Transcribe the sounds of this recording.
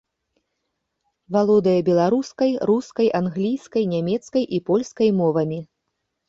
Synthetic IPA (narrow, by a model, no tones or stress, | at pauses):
valˠɔd̪ɐjɐbʲɛlˠaɾuskɐjɾuskɐjʔanɣlʲijskɐjnʲamʲɛt̪skɐjʔipɔlʲskɐjmɔvɐmʲi